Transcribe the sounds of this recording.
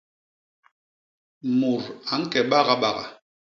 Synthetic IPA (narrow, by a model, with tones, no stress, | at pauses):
mu˨ɾa˨˦ŋ̩˦kɛ˨ɓa˦˨ɣa˨ɓa˨ɣa̰˨